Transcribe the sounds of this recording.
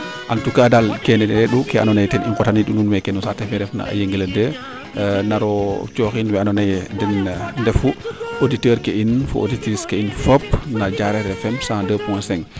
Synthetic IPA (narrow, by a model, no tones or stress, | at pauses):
ʔantukadalkɛnɛɛɗukɛa̰nɔnajɛtɛnḭŋkɔtaniɗununwɛkɛnɔsatɛfɛɾɛfna̰a̰jeŋɡiladə | naɾɔt͡ʃɔxinwɛanɔnajɛdɛnndɛfuʔoditəɾkɛʔinfṵʔo̰ditɾiskɛinfopnad͡ʒaɾɛɾɛfɛmsadəpuɔsɛŋ